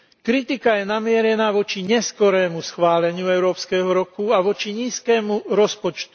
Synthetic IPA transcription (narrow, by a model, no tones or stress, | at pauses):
kɾit̪ikajɛnamɪɛɾɛnaːʋɔt͡ʃiɲɛskɔɾɛːmusxʋaːlɛɲɪuɛʊɾɔːpskɛːɦɔɾɔkuaʋɔt͡ʃiɲiːskɛːmuɾɔspɔt͡ʃt̪u̥